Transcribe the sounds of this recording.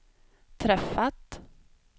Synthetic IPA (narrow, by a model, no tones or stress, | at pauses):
t̪ʰɾɛfːat̪